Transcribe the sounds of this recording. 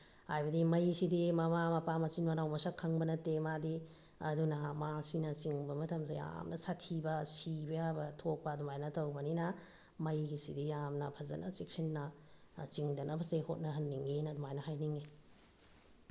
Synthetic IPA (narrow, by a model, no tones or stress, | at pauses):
hajbɐdimɐjsidimɐmamɐpamɐsinmɐɾawmɐsɐkʰːɐŋbɐnɐtemadi | ɐdunɐmasinɐt͡ʃiŋbɐmɐtʰɐmsaja̰mnɐsatʰibɐsibɐjabɐtʰok̚pɐːdumajnɐtɐwbɐninɐ | mɐjɡisidijamnɐpʰɐzɐ̰nʔɐ̰sek̚sɐnːɐ | t͡ʃiŋdɐnʔɐbɐsehot̚nɐɦɐnːiŋenɐdumajnɐhajniŋe